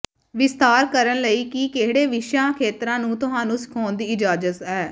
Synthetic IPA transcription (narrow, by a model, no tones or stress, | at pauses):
ʋɪst̪aːɾkəɾənləiːkikeɦɽeːʋɪʃjãːkʰeːt̪ɾãːnũːt̪ʊɦãːnũːsɪ̥kʰɔːnd̪iːɪd͡ʒaːd͡ʒət̪ɛː